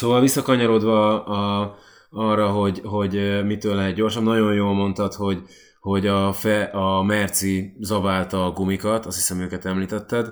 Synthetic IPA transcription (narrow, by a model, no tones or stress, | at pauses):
soːvɒlvisːɒkɒɲɒɾod̪ʋɒ | ɒrːɒɦo̞ɟɦo̞ɟmit̪øːlːɛɦɛt̪̚ɟo̞rʃɒbnɒɟo̞njoːlmo̞nt̪ɒt̪ho̞ɟ | ho̞ɟɒfɛʔɒmɛrt̪sizɒvaːlt̪ɒːɡumikɒt̪ɒst̪hi̥sɛmøːkɛt̪ɛmliːt̪ɛt̪ːɛd̪